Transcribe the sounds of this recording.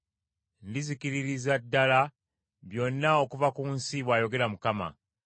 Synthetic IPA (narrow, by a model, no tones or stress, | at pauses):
ndizikiɾiɾizadːala | βjo̞nːao̞kuvakuːnsiβwaːjo̞ɡe̞ɾamukama̰